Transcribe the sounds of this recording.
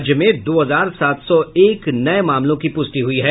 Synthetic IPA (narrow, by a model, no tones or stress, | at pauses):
d͡ʒjəmẽd̪oːɦɐzaːɾsaːt̪ʰsɔeːknɐemaːmlõkipʊst̪iɦʊiɦɛː